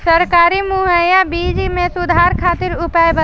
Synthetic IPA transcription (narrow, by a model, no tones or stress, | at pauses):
sɐɾkaːɾimuɦəjabiːd͡ʒimẽsʊd̪ʱaːɾkʰaːt̪ɪɾʊpaːjbə